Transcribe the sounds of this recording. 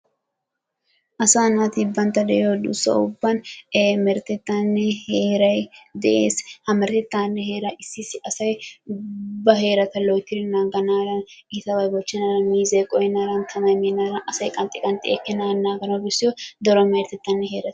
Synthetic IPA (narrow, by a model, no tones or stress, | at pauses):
ʔɐsaːnat̪ibɐnt̪ɐd̪ɛod̪ʊ̰sɐ̰ʊbːɐnmɛɾt̪ɛt̪ːaːnːɛheːɾɐjd̪ɛʔeːshɐmɛɾt̪ɛt̪ːaːnːɛɦe̞ːɾɐɪsːɪsɪɐsɐj | bɐɦe̞ːɾɐt̪ɐlɔjt̪ːɪɾɪnaːɡɐnaːlɐn | ɪt̪ɐwɐjɡɔt͡ʃːɪnalɐnmiːzɐjkʼɔjɛnaɾɐnt̪ʰɐmɐjmeːnaɾɐʔɐsɐjkʼɐnt̪ʼɪkʼɐnt̪ʼɪḛkːɛnaːnːaːɡɐnɐbɪsːɪjɔd̪ɔɾɔmɛɾt̪ɛt̪ːanːɛɦeːɾɐt̪